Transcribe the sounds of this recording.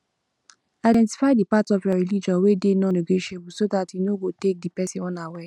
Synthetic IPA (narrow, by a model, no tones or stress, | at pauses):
aɪdɛ̃nti̥faɪdipatɔfjaɹilid͡ʒɔ̃wedenɔ̃neɡeʃebusodatinõɡotek̚dipɛsĩwɔ̃nawɛ